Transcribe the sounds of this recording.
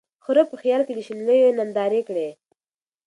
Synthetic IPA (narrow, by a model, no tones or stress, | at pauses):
xʊɾopəxjɑlked̪əʃinləjonand̪ɑɾekɽe